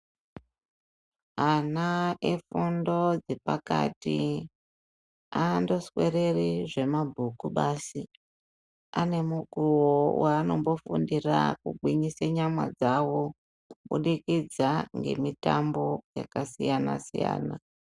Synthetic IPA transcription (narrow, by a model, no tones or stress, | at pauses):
anaefundo̞d͡zepaka̰ti | ando̞swe̞re̞riʐe̞mabʱukuɓaːsi | ane̞muɡʱuwowaːno̞mbo̞fṵndira̰kuɡʱwiɲiseɲamwa̰d͡zawo | uɓṵɗikid͡zaŋɡe̞̰mitambo̞ja̰kasijanasija̰ːna